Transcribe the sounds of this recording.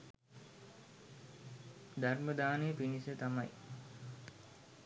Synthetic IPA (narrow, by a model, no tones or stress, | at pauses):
d̪arməd̪aːneəpinisət̪amaj